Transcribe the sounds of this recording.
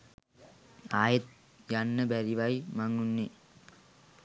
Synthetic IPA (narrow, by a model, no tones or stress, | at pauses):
aːjet̪̚ | janːəbæɾiʋajmaŋunːe